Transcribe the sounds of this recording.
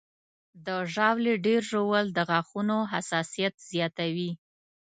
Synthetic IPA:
d̪əʒɑwleɖeɾʒowəld̪əɣaxunoɦasɑsijat̪z̥jɑt̪awi

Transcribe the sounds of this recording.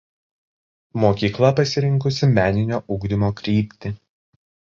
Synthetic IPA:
moːkʲiːklˠɐpɐsʲɪɾʲɪŋkʊsʲɪmʲæːnʲɪnʲoːʔʊɡd̪ʲɪmoːkɾʲiːpʲt̪ʲɪ

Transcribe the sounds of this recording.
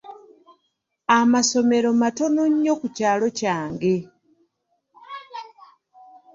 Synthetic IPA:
amaso̞me̞ɾo̞mato̞noɲːo̞kucaːlo̞caːŋɡe̞

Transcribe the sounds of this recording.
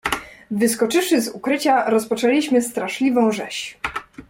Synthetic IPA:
vɘskɔt͡ʂɘfʂɘzukɾɘt͡ɕaɾɔspɔt͡ʂɛlʲiɕmɘst̪ɾaʂlʲivɔ̃w̃ʐɛɕ

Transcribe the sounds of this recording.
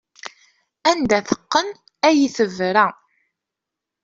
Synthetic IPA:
ænd̪æθə̥qːən | æjiθəvɾæ

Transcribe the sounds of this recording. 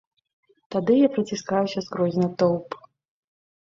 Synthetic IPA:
t̪ad̪ɨjapɾɐt͡sʲiskajusʲɐskɾɔzʲnɐt̪ɔwp

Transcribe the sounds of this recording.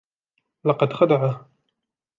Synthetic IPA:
lɑqɑd̪xad̪aʕa

